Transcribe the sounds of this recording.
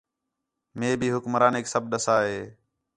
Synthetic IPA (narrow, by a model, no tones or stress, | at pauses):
meːbʱiːɦʊkmɾaːneːksəbɗəsaːɦeː